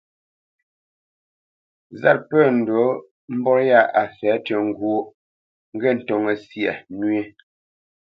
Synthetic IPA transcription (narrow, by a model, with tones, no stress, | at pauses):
za˦t̚pɛ˦˨n̩˨do˨˦ | m̩˦bɔ˦ɾja˦˨a˨sɛ˨˦tə˨ŋ̩˨ɡu˦o˦ | ŋ̩˦ɡɛ˦˨n̩˨tɔ˨ŋə˨sjɛ˨nɥe˦